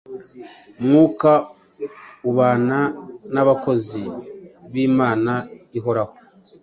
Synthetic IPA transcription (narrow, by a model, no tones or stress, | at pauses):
mŋuːka | uβaːnanaβako̞ziβiːmaːnaiɦo̞ɾaho